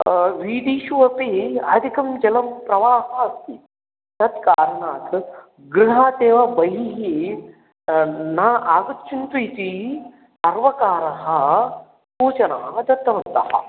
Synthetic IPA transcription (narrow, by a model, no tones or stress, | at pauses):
ʋiːɖiːʃuʋɐpiɐd̪ʱikɐmd͡ʒɐlɐmpɾɐʋaːɦɐɐst̪i | t̪ɐt̪kaːɾɐɳaːt̪ | ɡɾiɦaːt̪eːʋabɐɦiɦi | naːʔaːɡɐt̪ːt͡ʃʰunt̪uit̪i | ɐɾʋɐkaːɾɐɦɐ | suːt͡ʃɐnɐɦɐd̪ɐt̪ːɐʋɐnt̪ɐhɐ̰